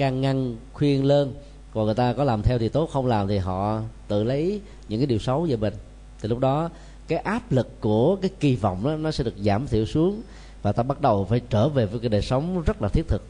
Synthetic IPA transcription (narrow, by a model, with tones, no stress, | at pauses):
kaː˨˩ŋːa˧nxwi˧ənle˧n | kɔ˨˩ŋ˨˩əjt̪aː˧kɔ˨˦laː˨˩mt̪ʰɛ˧wt̪ʰi˨˩t̪o˨˦˥t̚xə˧wŋ͡mlaː˨˩mt̪ʰi˨˩ɦɔ̰˧˨t̪ɨ̰˧˨lə˨˦jj | ɲɨ̰˧˥ŋkaː˨˦ɗi˨˩wsə˨˦wzəː˧˩ɓe˨˩ŋ̟ | t̪ʰi˨˩lʊ˦˥k͡p̚ɗɔ˨˦ | kaː˨˦jʔaː˦˥p̚lɨ˨˩kːu˧˩əkaː˨˦jki˧vɔ̰˧˨wŋ͡mʔaː˨˦nɔ˨˦sɛ̰˧˥ɗɨ˨˩ək̚zaː˧˩mt̪ʰḭ˧˩əwsu˨˦əŋ | vaː˨˩t̪aː˧ɓa˦˥t̚ɗə˨˩wfaː˧˩˦jt͡ɕəː˧˩ve˨˩vəː˨˦jkaː˨˦ɗəː˨˩sə˨˦wŋ͡mzə˦˥t̚laː˨t̪ʰi˦˥ət̚t̪ʰɨ˨˩k̚